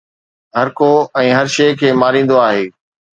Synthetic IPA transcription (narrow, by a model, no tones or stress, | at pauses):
ɦɐɾkoɛ̃ːɦɐɾʃeːkʰeːmaːɾĩːn̆d̪oaːɦeː